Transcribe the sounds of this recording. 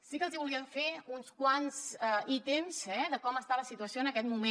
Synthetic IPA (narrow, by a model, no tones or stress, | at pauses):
sikəlˠziβuliəɱfeunskwanzəit̪emz̥ɛðəkɔməst̪aləsit̪uəsjoənəkɛt̪mume